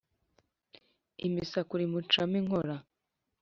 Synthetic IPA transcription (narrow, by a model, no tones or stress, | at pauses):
ḭmisakuɾimut͡ʃamiŋoɾa